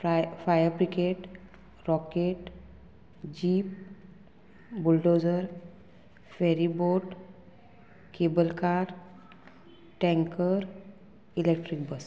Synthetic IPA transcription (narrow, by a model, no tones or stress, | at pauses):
fajəɾpɾikeʈ | ɾɔkeʈ | d͡ʑiːp̚ | bulɖod͡zəɾ | feɾiboʈ | kebəlkaɾ | ʈɛ̃ŋkəɾ | ilek̚ʈɾik̚bəs